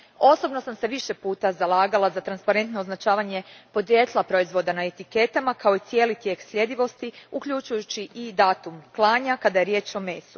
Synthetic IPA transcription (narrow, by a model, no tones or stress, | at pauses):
o̞so̞bno̞samse̞ʋiʃe̞puːt̪azalˠaːɡalazat̪ɾanspaɾe̞nt̪no̞ːznat͡ʃaːʋaɲe̞po̞d̪ɾjet̪lˠapɾo̞izʋo̞d̪anae̞t̪ike̞t̪amakao̞it̪sijeːlit̪je̞ksʎʲe̞d̪iʋo̞st̪iukʎut͡ʃujut͡ɕiʔid̪aːt̪umklˠaːɲakad̪aje̞ɾje̞ːt͡ʃo̞me̞ːsu̥